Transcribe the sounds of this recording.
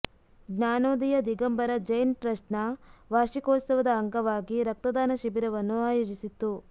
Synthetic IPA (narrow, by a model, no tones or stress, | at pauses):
ɡɲaːnoːd̪ijɐd̪iɡɐmbɐɾɐd͡ʒɐjnpɾɐʂnɐʋaːʃikɔːt̪sɐʋɐd̪ɐːŋɡɐʋaːɡiɾɐk̚t̪ɐd̪aːnɐʃibiɾɐʋɐnːuaːjoːd͡ʒisit̪ːu